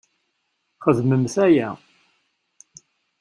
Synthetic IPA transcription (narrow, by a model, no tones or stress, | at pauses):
χəðməmθæjæ